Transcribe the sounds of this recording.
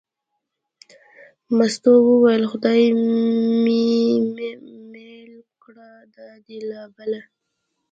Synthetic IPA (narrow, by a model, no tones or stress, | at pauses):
mast̪owəwajəlxʊd̪ɑj | mi | melkɽa | d̪ad̪elabala